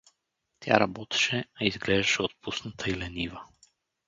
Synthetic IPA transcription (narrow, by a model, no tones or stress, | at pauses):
t̪ɛa̰ɾabɔt̪ɛ̥ʃɛaizɡlɛd̪ɛʃɛot̪̚pust̪nat̪ʰailɛniva